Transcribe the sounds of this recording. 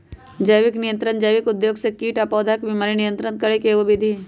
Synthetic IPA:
d͡ʒəjʋɪknɪjə̃nt̪ɾənd͡ʒəjʋɪkʊd̪joːɡsekiːʈapɔːd̪ʱakbimaːɾinɪjə̃nt̪ɾənkɐɾekeobid̪ʱiː

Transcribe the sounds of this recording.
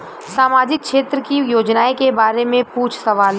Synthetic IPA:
saːmaːd͡ʒɪk̚ʃeːt̪ɾəkijoːd͡ʒnaːekebaːɾemẽpuːt͡ʃʰsɐʋaːl

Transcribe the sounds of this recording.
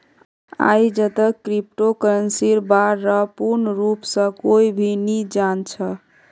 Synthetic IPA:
a̰jd͡ʒət̪əkɾip̚ʈokəɾənsiɾbaɾːəpuɾnəɾupsə̃koibʱinid͡ʒant͡ʃʰə

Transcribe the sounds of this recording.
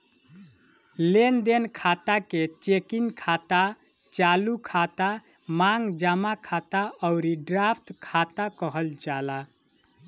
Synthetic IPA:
lend̪enkʰat̪aket͡ʃekinkʰat̪a | t͡ʃalukʰat̪a | maŋɡd͡ʒamakʰat̪aəʊɾiɖɾapʰt̪kʰat̪akəɦəld͡ʒala

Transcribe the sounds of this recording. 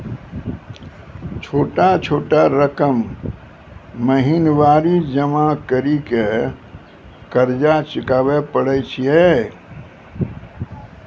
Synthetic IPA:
t͡ʃʰoːʈat͡ʃʰoːʈaɾəkəm | əɦinʋaːɾid͡ʒəmakəɾike | kəɾd͡ʒat͡ʃɪkaːʋepəɽɛt͡ʃʰije

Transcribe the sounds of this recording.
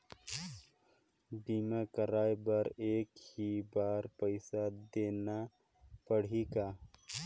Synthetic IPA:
biːmekəɾaːjbɐɾeːkhibaːɾpəɪsad̪eːna | pəɽ̤ikaː

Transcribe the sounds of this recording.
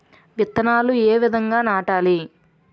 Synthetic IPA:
ʋjit̪ːɐnaːlueːʋid̪ʱɐŋɡaːnaːʈaːli

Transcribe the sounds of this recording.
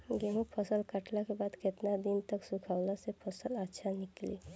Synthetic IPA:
ɡeɦũpʰəsəlkəʈlakebaːd̪kɪt̪nad̪ɪnt̪əksukʰaːwlasepʰəsələtːʃʰanɪklḭː

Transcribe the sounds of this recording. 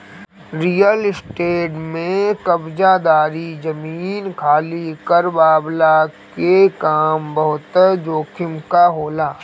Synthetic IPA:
ɾijəlɪsʈeːʈmẽkɐbd͡ʒad̪aːɾid͡ʒɐmiːnkʰaːlikɐɾbaːblakekaːmbɐɦʊt̪d͡ʒoːkʰɪmkaɦoːlaː

